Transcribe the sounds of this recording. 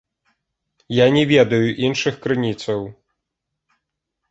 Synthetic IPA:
janʲɛvʲɛd̪ɐjuʔinʂɨxkɾɨnʲit̪sɐw

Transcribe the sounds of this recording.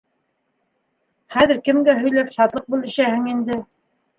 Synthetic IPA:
χæðɘɾkɘ̆mɡæɦɵ̆jlæpʃɑt̪lˠɤq̚bulˠɘ̆ʃæhɘ̆ŋind̪ɘ

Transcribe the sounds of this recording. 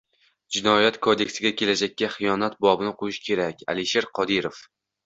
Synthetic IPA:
d͡ʒɪnɒjat̪kʰod̪ekʲsɪɡʲakʲʰe̞lad͡ʒak̚ʲːaχɨjɒnat̪̚bɒbɪnɪqʰojɪʃkʲʰe̞ɾakʲa̰lɪʃeɾqʰɒd̪ɪɾof

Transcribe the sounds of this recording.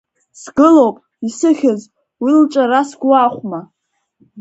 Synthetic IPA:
sɡɨlowpʼ | isɨχʲaz | wilt͡ʃʼaɾasɡʷaːχʷma

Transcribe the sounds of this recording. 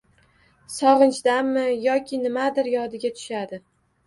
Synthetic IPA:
sɒʁɨnt͡ʃd̪amːɪjɒkʲʰɪnɪmad̪ɪɾjɒd̪ɪɡʲat̪ʰʊ̥ʃad̪ɪ

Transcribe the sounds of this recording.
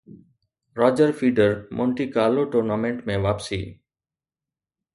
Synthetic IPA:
ɾaːd͡ʒəɾfʰiːɖəɾmʔõːɳʈiːkaːloʈoːɾnaːmẽɳʈmẽʋaːpsḭː

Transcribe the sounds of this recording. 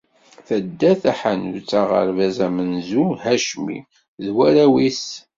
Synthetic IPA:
θəd̪ːæθæħanut͡sːaʁə̰ɾvæzæmənzuhæʃmḭ | ðwæɾæwis

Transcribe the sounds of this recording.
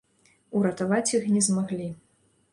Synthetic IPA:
uɾɐt̪avat͡sʲjixnʲɛzmaɣlʲi

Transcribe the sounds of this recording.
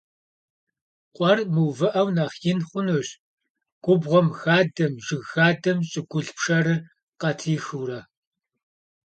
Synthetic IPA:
qʷʼɔrmɨwvɨʔɐwnɐχjɪnχʷʊnuɕ | ɡ̥ʷʊbʁʷɔmxaːdɐmʒɨɣːaːdɐmɕʼɪɡʷʊɮpʰʂɐɾɨ | qɐtʰiːxuːɾɐ

